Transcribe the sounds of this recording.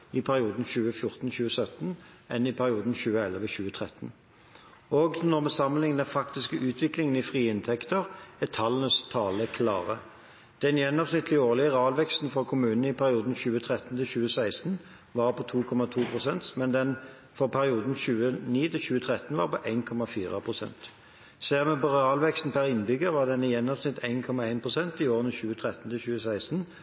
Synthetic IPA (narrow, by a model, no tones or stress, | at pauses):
ɪpʰæʁɪuːd̪n̩çʉːəfjʊʁt̪n̩ɕʉːəsœt̪n̩ | ʔɛnɪpʰæʁɪuːd̪n̩çʉːəɛləʋəɕʉːət̪ʰʁɛt̪n̩ | oːɡnɔʁmɛsɑmːənɪŋd̪ɛnfɑkt̪ɪskəʔʉːt̪ʰʋɪklɪŋənɪfʁiːɪnt̪ʰɛkt̪əʁæt̪ʰɑlnəst̪ʰɑːləkʰlɑ̰ːʁə | d̪̥ɛnjɛnːɔmsnɪt̪ʰːlɪoːʁlɪəʁɑːlʋɛkst̪n̩fɔʁkʰʊmʉːnənəɪpʰæʁɪuːd̪n̩çʉːət̪ʰʁɛt̪n̩t̪ɪlçʉːəsæɪst̪n̩ | ʋɑːʁpʰɔt̪ʰuːkʰɔmɑt̪ʰuːpʰʁʊsɛnt̪mɛnd̪ɛn | fɔʁpʰæʁɪuːd̪n̩çʉːəniːt̪ʰɪlçʉːət̪ʰʁɛt̪n̩ʋɑ̰ːʁpɔʔæɪnkʰɔmɑfiːʁɑpʰʁʊsɛ̰nt̪ | sæːʁmɛpɔʁɛɑːlʋɛkst̪n̩pʰæʁɪnbʏɡəʋɑːʁd̪ɛnːəjɛnːɔmsnɪt̪ʰæɪnkʰɔmɑæɪnpʰʁʊsɛnt̪ɪoːʁənəçʉːət̪ʰʁɛt̪nt̪ʰɪlçʉːəsæɪst̪n̩